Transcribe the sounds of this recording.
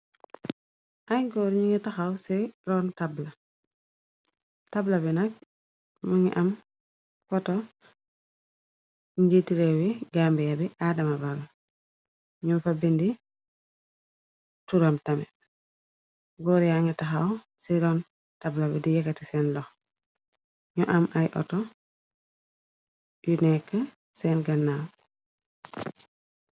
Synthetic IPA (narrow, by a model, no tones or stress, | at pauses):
ʔajɡɔːɾɲiŋɛtaxawsiɾɔntabla | tablɐbinak̚ | muŋḭʔam | fɔtɔ | ɲɟitiɾewiɡaːmbɛjabiʔadɐmabal | ɲumfabindi | tuɾamtamɛ | ɡɔɾijaŋɛtaɦaw | siɾɔn | tablabɛdijɛkːatisɛnlɔx | ɲɔʔamʔajʔɔ̰tɔ | junɛkːa | sɛnɡanːaw